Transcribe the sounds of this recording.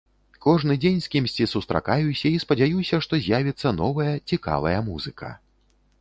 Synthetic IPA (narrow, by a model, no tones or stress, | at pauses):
kɔʐnɨd͡zʲenʲskʲimsʲt͡sʲisust̪ɾa̰kajusʲɐispɐd͡zʲajusʲɐʂt̪ɔzʲjavʲit̪sːɐn̪ɔvɐjɐt͡sʲika̰vɐ̰jɐmuzɨkʰɐ̰